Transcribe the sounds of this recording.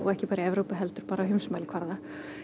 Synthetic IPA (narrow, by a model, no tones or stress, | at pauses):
ɔɣɛhcɪpaːɾɪɛvɾowpɪɦɛlt̪ʏɾ̥paːɾaɦʏmsmaːlɪkʰvaɾða